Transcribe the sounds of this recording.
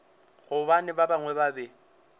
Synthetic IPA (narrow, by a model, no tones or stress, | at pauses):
ɣʊbanɪbabaŋwɛbabɛ